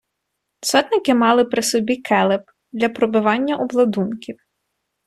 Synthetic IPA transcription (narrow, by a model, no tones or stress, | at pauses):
sɔt̪nɪkɪmɑlˠɪpɾɪsɔbʲikʰɛlˠɪp̚ | d̪lʲɐpɾɔbɪʋɑnʲːɐʔɔblˠɐd̪unkʲiw